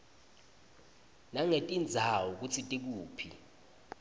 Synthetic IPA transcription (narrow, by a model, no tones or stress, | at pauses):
naŋetʼind͡zʱawɔk̬ut͡sʰitʼik̬uːpʰḭ